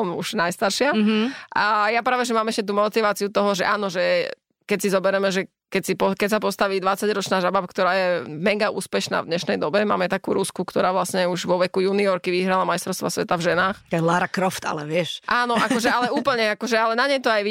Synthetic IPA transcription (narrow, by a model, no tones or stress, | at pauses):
ɔmṵʒ̥najst̪aɾʃɪaʔajapɾaːʋɛʒɛmaːmɛʃcɛt̪̬uːmɔt̪iʋaːt͡siut̪ɔɦɔʒɛʔaːnɔʒɛ | kɛcsizɔbɛɾɛmɛʒɛ | kɛcsipɔkɛcsapɔst̪aʋiːd̪ʋat͡saɟɾɔt͡ʃnaːʒabap̚kt̪ɔɾaːjɛmɛɡaṵːspɛʃna̰ːvd̪ɲɛʃnɛjd̪ɔbɛma̰ːmɛt̪akṵːɾuskukt̪ɔɾaːʋlasɲɛuʒʋɔʋɛkujuːniɔɾkiʋiɦɾalamajst̪ɾɔʊst̪ʋasʋɛt̪avʒɛnaːxlaːɾakɾɔft̪a̰lɛʋɪɛʃʔaːnɔʔakkɔʒɛalɛuːpl̩ɲɛakɔʒɛalɛnaɲɛjt̪ɔajʋi